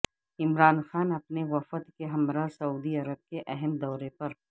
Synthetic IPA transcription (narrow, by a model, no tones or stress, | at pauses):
ɪmɾaːnxaːnɐpneʋɐfət̪keɦɐmɾasɐuːd̪iɐɾəb̚keʔɛɦɛmd̪ɔːɾepɐɾ